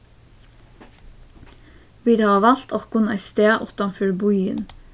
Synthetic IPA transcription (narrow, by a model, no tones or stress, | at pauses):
ʋiːɾɑːʋɑlt̪okʊnæ̰ɪst̪eːʔɔt̪ɑnfʏlbʊʏə̰n